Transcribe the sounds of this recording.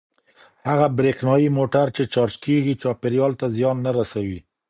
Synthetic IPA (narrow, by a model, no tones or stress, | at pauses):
haɣabɾeknɑjimoʈaɾt͡ʃet͡ʃɑɾt͡ʃkeɡit͡ʃɑpɪɾjɑlt̪azjɑnːaɾasawi